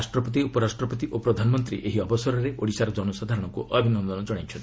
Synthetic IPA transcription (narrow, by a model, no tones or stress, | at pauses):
sʈɾɔpɔt̪̬iupɔɾasʈɾɔpɔt̪iʔopɾɔd̪ʱanɔmɔnt̪ɾḭʔeɦiɔbɔsɔɾɔɾeoɽisaɾɔd͡ʒɔnɔsad̪ʱaɾɔɽ̃ɔŋkuʔɔbʱinɔnd̪ɔnɔd͡ʒɔɽ̃ajt͡ʃʰɔnt̪i